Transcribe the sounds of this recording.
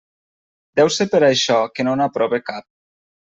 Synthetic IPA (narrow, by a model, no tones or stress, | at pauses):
d̪ɛwsepeɾajʃɔkenonapɾɔβekap̚